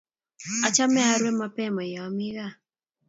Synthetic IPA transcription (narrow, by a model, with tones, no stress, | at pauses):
a˨t͡ʃa˦mɛ˦a˦ɾwɛ˦ma˦pɛma˨ja˨ami˦ɣa˨